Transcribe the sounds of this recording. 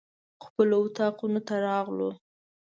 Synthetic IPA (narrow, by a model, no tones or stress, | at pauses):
xpəloʊt̪ɑqunot̪aɾɑɣlo